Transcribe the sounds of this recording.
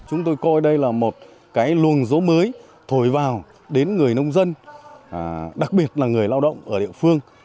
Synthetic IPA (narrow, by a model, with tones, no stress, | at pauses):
t͡ɕʊ˨˦ŋ͡mt̪o˧jkɔ˧jɗə˧jlaː˨˩mo˨˩t̚ | kaː˨˦jlu˨˩ənzo˨˦məː˨˦j | t̪ʰo˧˩jvaː˨˩w | ɗe˨˦nŋɨ˨˩əjnə˧wŋ͡mzə˧n˩ | ɗa˨˩k̚ɓi˨˩ə˩t̚laː˨˩ŋɨ˨˩əjlaː˧wɗə̰˧˨wŋ͡mʔəː˧˩ɗḭ˧əfɨ˧əŋ